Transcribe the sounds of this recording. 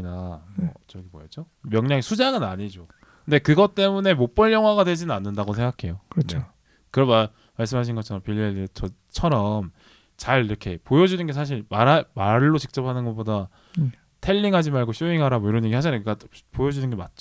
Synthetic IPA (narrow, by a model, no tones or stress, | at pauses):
namʌ̰t͡ɕʌɡimojʌd͡ʑo | mjʌŋɲaŋisʰud͡ʑaŋɯnaɲid͡ʑo | kkɯnde̞kɯɡʌt͈e̞mune̞mop͈ʌɭjʌŋɦwaɣadwe̞d͡ʑinɯnanːɯndaɡosʰe̞ŋɡakʰe̞jokɾnt͡ɕeo | kɯɾʌma | maɭs͈ɯmɦaɕ̬ʰinɡʌt͡ɕʰʌɾʌmpiʎːiet͡ɕʰʌ | t͡ɕʰʌɾʌm | t͡ɕaɭiɾʌkʰe̞pojʌd͡ʑunɯnɡe̞s̬ʰaɕ̬ʰiɭmaɾamaɭːot͡ɕik̚t͡ɕ͈ʌpʰanɯnɡʌp͈oda | tʰe̞ʎːiŋɦad͡ʑimaɭɡoçʰjuiŋɦaɾamoiɾʌnjeɡihaɕ̬ʰinɯɡɡapojʌd͡ʑunɯnɡe̞mat̚t͡ɕ͈o